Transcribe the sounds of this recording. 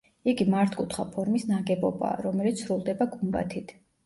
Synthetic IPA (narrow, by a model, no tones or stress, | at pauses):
iɡimaɾt̪ʰkʼut̪ʰχa̰pʰɔɾmisnaɡɛbɔba̰ːɾɔmɛlit̪ssɾulˠd̪ɛbaɡumba̰t̪ʰit̪ʰ